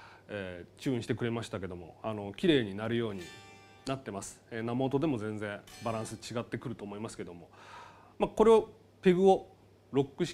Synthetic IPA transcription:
eːt͡ɕɨːĩɕi̥t̪ekɯ̟ɾe̞maɕi̥t̪ake̞d̪o̞mo̞̰ano̞kʲiɾe̞ːɲ̟inaɾɯ̟jo̞ːɲ̟i | nat̪ːe̞masɨ̥enamo̞t̪o̞d̪e̞mo̞zẽ̞ñd͡zẽ̞baɾãɰ̃sɨt͡ɕiɡat̪ːe̞kɯ̟ɾɯ̟t̪o̞ːmo̞imasɨ̥ke̞d̪o̞mo̞ | mako̞ɾe̞o | pe̞ɡɯ̟o̞ | ɾo̞kːɯ̟ɕi̥

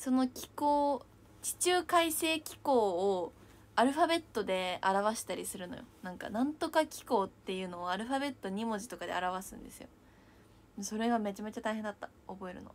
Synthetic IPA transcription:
so̞no̞kʲi̥koː | t͡ɕi̥t͡ɕɨːkaise̞ːkʲi̥ko̞ː | aɾɯ̟ɸabe̞t̪ːo̞d̪e̞aɾaβaɕi̥t̪aɾʲisɨɾɯ̟nojo̞̰nãŋka̰nãnt̪o̞kakʲi̥ko̞ːt̪ːe̞jɯ̟ːno̞ːaɾɯ̟ɸabe̞t̪ːo̞ɲ̟imo̞ʑit̪o̞kad̪e̞̰aɾaβ̞asɨ̰̃nd̪e̞sɨjo̞̰ | mso̞ɾe̞ɡame̞t͡ɕame̞t͡ɕat̪aiɦend̪at̪ːḁ | obo̞e̞ɾɯ̟no̞̰

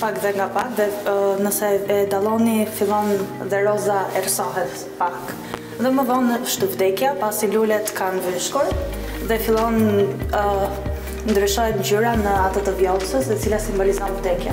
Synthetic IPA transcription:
pakðɛŋɡapakðɛnəsɛɛd̪alˠɔnifilˠɔnðɛɾɔzaɛrsɔɦɛt̪ | pak | ðɛməðɔnʃt̪uvd̪ɛkjapasilulɛt̪kanviʃkuɾ | ðɛfilˠɔn | nd̪ɾyʃɔjɛmd͡ʑyɾanəat̪ət̪əvjɔlˠsəsɛt͡silasimbɔlizɔnvd̪ɛkja

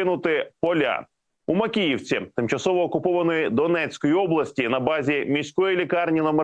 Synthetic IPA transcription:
ɪnʊt̪ɪpɔlʲa̰ | umɐkʲijiwt͡sʲit̪ɪmt͡ʃɐsɔʋɔːkʊpɔʋɐnɔjid̪ɔnɛt͡sʲkɔjiɔblˠɐsʲtʲinɐbɑzʲimʲisʲkɔjilʲikɑrnʲinɔme

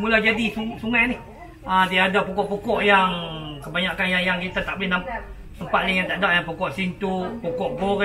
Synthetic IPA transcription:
mulahd͡ʒadisusuŋanih | adijaːdapukɔʔpukɔʔjaŋkəbaɲaʔkanjajaŋɡit̪at̪aʔbinampa | t̪əmpaʔliŋjaŋt̪aʔdaʔjaŋpukɔʔsint̪upukɔʔbok

